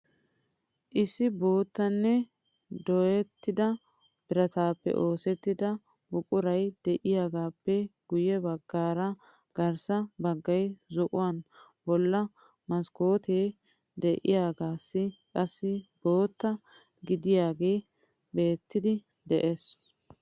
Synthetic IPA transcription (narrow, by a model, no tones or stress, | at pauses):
ʔɪsɪbo̞ːt̪ːɐnːɛ | d̪ɔjɛt̪ːɪd̪ɐ | b̥ɪɾɐt̪aːpːɛ̰ʔo̞ːsɛt̪ːɪd̪ɐ | bʊkʼʊɾɐjd̪̥ɛʔɪjaːɡaːpːɛɡ̥ʊjɛbɐɡːaːɾɐ | ɡ̥ɐɾsɐbɐɡːɐjzʊʔʊwan | bɔlːɐ | mɐskoːt̪eː | d̪ɛʔɪjaːɡaːsːɪkʼɐsːɪbo̞ːt̪ːɐ | ɡɪd̪ɪjaːɡe̞ː | be̞ːt̪ːɪd̪ɪ | d̪ɛʔes